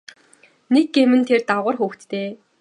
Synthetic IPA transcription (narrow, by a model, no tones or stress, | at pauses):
nekːemɘ̆nt̪ʰert̪aʁʊ̆rxuːxt̪t̪eː